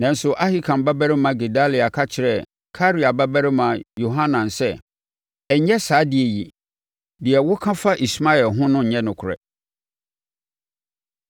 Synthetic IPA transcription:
nã˨n̩˦sʊ˨ʔa˦hi˦kʰã˨mba˦bæ˦ɾɪ˦mã˨ɡe˨da˦li˨a˨kʰa˦t͡ɕʰɪ˨ɾɛ˦˨ | kʰa˦ɾi˨a˨ba˦bæ˦ɾɪ˦mã˨jo˨ɦã˦nã˨nsɛ˦ | ɛ˨ɲ˦ɲɛ˦saː˨˦dɪ˨ɛ˨ji˨ | dɪ˨ɛ˨wʊ˦kʰã˦fa˦ʔi˨sma˦ɛ˨lɦʊ̃˦nʊ̃˦˨ɲɛ̃˦nʊ̃˨kʰʊ˨ɾɛ̰˨

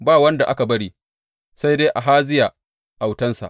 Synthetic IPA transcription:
baː˦wɐ˦nda˨ʔa˦ka˨bɐ˦ɽiː˦ | sa˦jdeː˦ʔa˨ɦaː˦zɪ˦ja˨ | ʔa˨wtɐ˦nsa̰˨ʔ

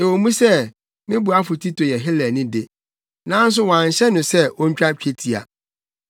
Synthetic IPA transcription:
e˨wo˨mũ˦sɛ˦ | mɪ̃˦bu˨a˦fʊ˨tʰi˦tʰo˨jɛ˨ɦɪ˦lɛ˨nɪ̃˦dɪ˨ | nã˦n̩˦s̬ʊ˦wã˨ɲ˨ɕɛ˦nʊ̃˨sɛ˦wo˦ɲ̩˦t͡ɕᶣa˦t͡ɕᶣe˦tʰi˨a̰˨

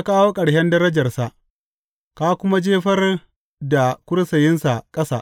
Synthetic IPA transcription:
a˦kaː˦woː˦kʼɐ˨ɽhɛ˦ndɐ˦ɾɐ˦d͡ʒɐ˨rsa˨ʔ | ka˦kʷʊ˦ma˦d͡ʒeː˦ɸɐ˦r | da˨kʷʊ˦ɽsɐ˨jɪ˦nsa˨kʼɐ˦sa̰ː˦˨ʔ

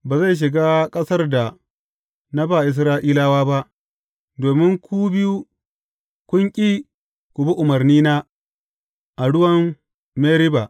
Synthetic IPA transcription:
baː˨za˦˨jʃ̬ɪ˨ɡaː˦kʼɐ˦sɐ˦rda˨ | na˦baː˨ʔɪ˨s̬ɾaː˦ʔiː˦la˦waː˦ba˦ʔ | doː˨mɪ˦ŋkʷuː˦bɪ˦ju˦ | kʷʊ˦ŋkʲʼi˦ | kʷu˨bi˦ʔʊ˨mɐ˨rniː˦naː˦ | ʔa˨ɽʊ˦wɐ˦m | meː˦ɾɪ˦ba˨ʔ

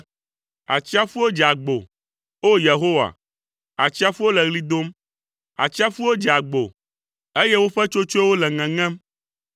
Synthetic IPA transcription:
a̰˨t͡ɕi˦a˦fu˦wo˦d͡ʒa˨ɡ͡bo˨ | o˦je˨ɦo˦wa̰˨ | a˨t͡ɕi˦a˦fu˦wo˦lɛ˨ɣli˦d̪o˦m | a̰˨t͡ɕi˦a˦fu˦wo˦d͡ʒa˨ɡ͡bo˨ | e˦je˦wo˦ɸɛ˦t͡ʃo˦t͡ʃo˦wo˦lɛ˨ŋɛ̃˨ŋɛ̃˦m

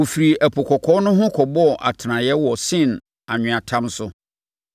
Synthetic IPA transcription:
wo˨fi˨ɾi˨ʔæ˨pʰɔ˨kʰɔ˨kʰɔ˨˦nʊ̃˦ɦʊ̃˦kʰɔ˨bɔ˦˨ʔa̰˨tʰɪ˨nã˨jɛ˦wɔ˨sɪ̃˦˨n | a˨ɲᶣɪ̃˨ã˨tʰã˦msʊ˦

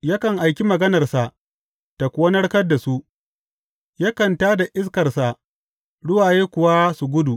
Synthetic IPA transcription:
jaː˦kɐ˨ŋʔa˨jkʲi˦mɐ˨ɡɐ˦nɐ˨rsa˨ʔ | ta˨kʷoː˦nɐ˦ɽkɐ˦dːa˨su˦ʔ | jaː˦kɐ˨ntaː˦da˨ʔɪ˦s̬kɐ˨rsa˨ʔ | ɽʊ˦waː˨jeː˦kʷʊ˨wa˦su˨ɡʷʊ˦du˨

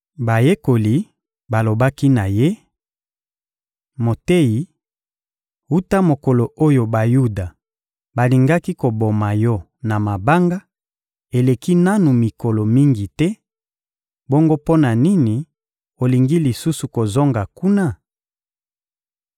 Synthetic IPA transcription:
ba˨je˦ko˨li˨ | ba˨lo˨ba˦ki˦na˨je˦ | mo˨te˦ji˨ | u˦ta˦mo˨ko˨lo˨ʔo˦jo˨ba˨ju˦da˨ | ba˨li˨ŋɡa˦ki˦ko˨bo˨ma˨jɔ˦ | na˨ma˨ba˦ŋɡa˦ | e˨le˨ki˦na˦nu˨mi˨ko˨lo˨mi˦ŋɡi˨tɛ˦ | bo˦ŋɡo˦po˦na˨ni˦ni˨ | o˨li˨ŋɡi˦li˨su˦su˨ko˨zo˦ŋɡa˨ku˦na˦˨

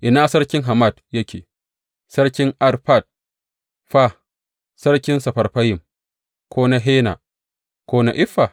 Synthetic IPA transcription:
ʔɪ˨naː˦sɐ˦ɽkʲɪ˦ŋɦa˨ma˦˨djɐ˦kʲʰḛː˨ | sɐ˦ɽkʲɪ˦ŋʔa˦rɸa˦˨d̚ | ɸa˦ | sɐ˦ɽkʲɪ˦nsɐ˨ɸɐ˨rɸɐ˦jɪ˨m | kʷʰoː˦na˦ɦeː˦na̰˨ | kʷoː˦na˨ʔɪ˦ɸːa˨

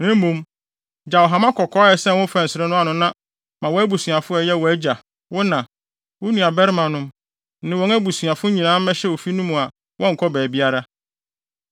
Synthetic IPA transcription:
nɪ̃˦m̩˦mũ˦m | d͡ʑa˨wɔ˨ɦã˨mã˦kʰɔ˨kʰɔː˦ɛ˨sɛ˦wʊ̃˦fæ̃˨n˨sɪ˨ɾɛ˦nʊ̃˦a˨nʊ̃˦nã˦ | mã˨wɔ˦æ˦bu˨sɥa˨fʊ˦ɛ˨jɛ˦wɔ˨æ˦d͡ʑa˨ | wʊ˦nã˨ | wʊ˦nũ˨a˨bɛ˦ɾmã˨nʊ̃˦m | nɪ̃˨wɔ̃˨˦ŋæ˦bu˨sɥa˨fʊ˦ɲĩ˨nãː˨˦m̩˦mɛ̃˦ɕɛ˦wo˨fi˦nũ˦mũ˨a˨ | wʔɔ̃˦ŋ̩˨kʰɔ˦bɛː˨bi˦a˦ɾa˦

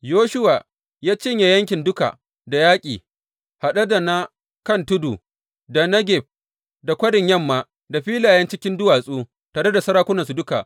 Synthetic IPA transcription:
joː˦ʃʊ˦wa˨ | jaː˦t͡ʃɪ˦ɲja˨jɐ˦ŋkʲɪ˨ndʊ˦ka̰˨ | da˨jaː˦kʲʼiː˨ | ha˨ɗɐ˦da˨na˦ | kɐ˦ntʊ˦duː˨ | da˨nɐ˦ɡʲɛ˨ɸ̚ | da˨kʷɐ˦dɪ˨ɲjɐ˦˨mːaː˨ | da˨ɸiː˦laː˨jɐ˦nt͡ʃɪ˦kʲɪ˦ndʊ˦waː˨sʼuː˦ | taː˨ɾe˦da˨sɐ˦ɾaː˦kʷʊ˦nɐ˨su˨dʊ˦ka̰˨ʔ

